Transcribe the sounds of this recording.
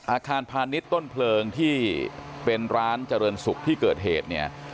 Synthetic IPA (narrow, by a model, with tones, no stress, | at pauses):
ʔaː˧kʰaː˧npʰaː˧ni˦˥t̪ːo˥˩npʰlɤː˧ŋt̪ʰiː˥˩pe˧nɾaː˦˥nt͡ɕa˧ɾɤː˧nsu˨˩k̚t̪ʰiː˥˩kɤː˨˩t̪̚ɦḛː˨˩t̪̚ni˦˥˩ɐ